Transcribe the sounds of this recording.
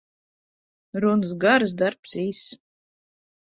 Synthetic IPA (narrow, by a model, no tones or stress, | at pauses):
ɾuns̬ɡaɾs̬d̪aɾpsiːs